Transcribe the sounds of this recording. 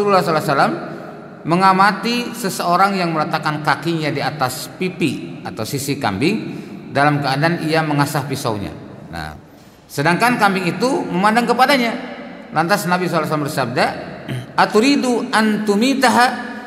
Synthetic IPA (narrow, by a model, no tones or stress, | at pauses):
ululːahsɔlasalamː | əŋamat̪isəsəoɾaŋjaŋmələt̪akankakiɲadiat̪aspipiat̪awsisika̰mbɪŋdalamkəadaaniaməŋasahpisa̰wɲa̰ | na̰ | sədaŋkankambɪŋit̪uməmandaŋkəpadaɲalant̪asnabisɔlas̬alambərsab̚da | at̪uɾiduʔant̪umit̪aɦa